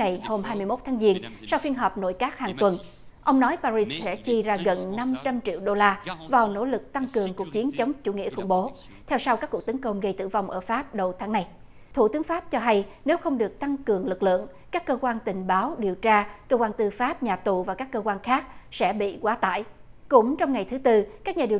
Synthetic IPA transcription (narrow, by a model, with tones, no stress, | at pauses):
na˨˩jho˧mhaː˧jmɨ˧əjmo˦˥t̚t̪ʰaː˨˦ŋzi˧ənsa˧wfi˧ənɦɔː˨˩p̚no̰˧˨jkaː˦˥k̚haː˨˩ŋt̪wə˨˩n | ʔə˧wŋ͡mnɔ˨˦jpaː˧ɾi˧ssɛ̰˧˥t͡ɕi˧zaː˧ɣə˨˩nːa˧mt͡ɕa˧mt͡ɕḭ˧˨wɗo˧laː˧vaː˨˩wno̰˧˥lɨ˨˩k̚t̪a˧ŋkɨ˨˩əŋku˨˩ək̚t͡ɕi˨˦ənt͡ɕə˨˦wŋ͡mt͡ɕṵ˧˩ŋḭ˧˥əxʊ̰˧˩ŋ͡mɓo˨˦ | t̪ʰɛ˧wsa˧wkaː˦˥kːu˨˩t̪ə˨˦nkə˧wŋ͡mɣə˧jt̪ɨ̰˧˩va˧wŋ͡mʔəː˧˩faː˦˥p̚ɗə˨˩wt̪ʰaː˨˦ŋna˧˩j | t̪ʰṵ˧˨t̪ɨ˨˦əŋfaː˦˥p̚t͡ɕɔ˧ɦa˧j | ne˨˦wxə˧wŋ͡mɗɨ˨˩ək̚t̪a˧ŋkɨ˨˩əŋlɨ˨˩k̚lɨ̰˧˨əŋ | kaː˦˥kːəː˧kwaː˧nt̪ï˨˩ŋ̟ɓaː˨˦wɗi˨˩əwt͡ɕaː˧kəː˧kwaː˧nt̪ɨ˧faː˦˥p̚ɲaː˨˩t̪u˨vaː˨˩kaː˦˥kːəː˧kwaː˧nxaː˦˥k̚sɛ̰˧˥ɓḭ˧˨kwaː˨˦t̪a̰ː˧˨jkʊ̰˧˥ŋ͡mt͡ɕɔ˧wŋ͡mŋa˨˩jt̪ʰɨ˨˦t̪ɨ˧kaː˦˥k̚ɲaː˨˩i˨˩ə˩